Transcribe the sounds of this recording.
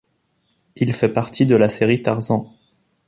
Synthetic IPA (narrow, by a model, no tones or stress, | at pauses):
ilfɛpaʁt̪ʰid̪əlaseʁit̪aʁzɑ̃